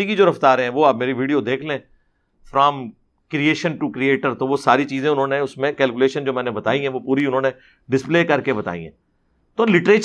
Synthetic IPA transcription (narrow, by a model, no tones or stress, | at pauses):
ikid͡ʒoːɾɐft̪aːɾɦɛ̃ʋoːaːp̚meːɾiʋiːɖijod̪eːkʰlẽ | fɾɔ̃ːm | kɾieːʃə̃nʈukɾieːʈəɾt̪oʋosaːɾit͡ʃiːzẽʊnɦõːneʊsmẽkɛːlkʊleːʃənd͡ʒoːmɛ̃ːnebɐt̪a̰ːiɦɛ̃ʋopuːɾiʊnɦõːne | ɖɪspleːkɐɾkebɐt̪a̰ːḭɦɛ̰̃ː | t̪oːlɪʈɾeː